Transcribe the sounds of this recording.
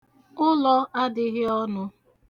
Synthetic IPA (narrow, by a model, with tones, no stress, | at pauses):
ʊ˦lɔ˦ʔa˦dɪ˨ɣɪ˦ɔ˦nʊ˦